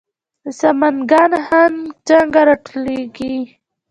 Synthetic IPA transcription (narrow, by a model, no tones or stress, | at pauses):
samanɡɑnhand͡ʒaŋɡaɾɑʈoleɡi